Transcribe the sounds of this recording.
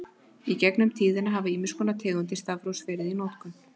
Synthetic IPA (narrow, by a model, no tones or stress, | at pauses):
icɛknʏmt̪ʰiːðɪnaɦavɪiːmɪskʏnat̪ʰɪːðɔnt̪ɪst̪avɾowsvɛːɾɪðinowt̪kʏn